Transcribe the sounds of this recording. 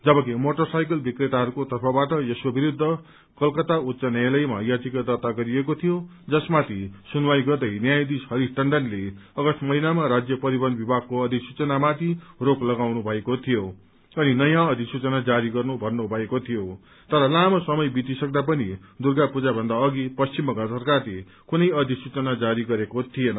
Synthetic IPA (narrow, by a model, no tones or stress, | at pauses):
d͡zʌbʌkimoʈʌrsajk̬ʌlbikret̪aɦʌɾukot̪ʌrpʰʌbaʈʌjeswobiɾud̪ʱːʌ | kʌlkʌt̪aut̪sʌnjalʌjma̰jad͡zikad̪ʌt̪aɡʌɾiekot̪ʰijo | d͡zʌsmat̪ʰisunwajɡʌrd̪ʌjnjajd̪ishʌɾisʈʌɳɖʌnleʌɡʌsʈmʌɦinamaɾad͡zjʌpʌɾibʌnbibʱaɡ̚koʌd̪ʱiksut͡sʌnamat̪iroklʌɡawnubʱʌekot̪ʰijo | ʌninʌjãʌd̪ʱisut͡sʌnad͡zaɾiɡʌrnubʱʌnnobʱʌekot̪ʰijo | t̪ʌɾʌlamʌsʌmʌjbit̪isʌk̚d̪ap̬ʌni | d̪urɡapud͡zabʱʌnd̪aʌɡipʌst͡simʌkasʌrkarle | kunʌjʌd̪ʱisut͡sʌnad͡zaɾiɡʌɾekot̪ʰijenʌ